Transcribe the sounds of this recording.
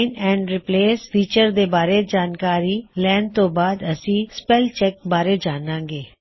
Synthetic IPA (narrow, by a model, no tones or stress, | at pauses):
ɪnɛ̃ːɳɖɾɪpleːsfiːt͡ʃəɾd̪eːbaːɾed͡ʒaːnkaːɾiːlɛːnt̪õːbaːd̪əsĩːspɛːlt͡ʃɛkbaːɾed͡ʒaːnãːŋɡeː